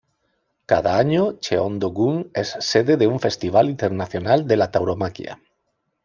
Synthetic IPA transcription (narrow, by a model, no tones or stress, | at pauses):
kaðaaɲot͡ʃeõnd̪oɣuŋesːeðeðeuɱfest̪iβ̞alint̪eɾnaθjonald̪elat̪awɾomakj̰a̰